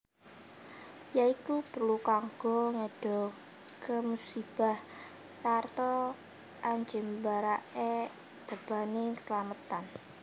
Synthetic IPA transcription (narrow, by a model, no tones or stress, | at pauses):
jaikupərlukaŋɡ̥ɔŋeɖ̥ɔ | kəmusib̥a̤h | sart̪ɔ | ʔaɲd͡ʒɪmbaɾaʔe | d̪̥ab̥anikə̥səlamət̪an